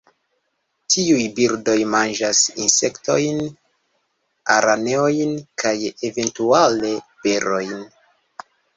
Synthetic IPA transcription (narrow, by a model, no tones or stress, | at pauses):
tʰiujbiɾdo̞jmand͡ʒasinse̞kto̞jn | a̰ɾane̞ojnkʰajeve̞ntuale̞pe̞ɾo̞jn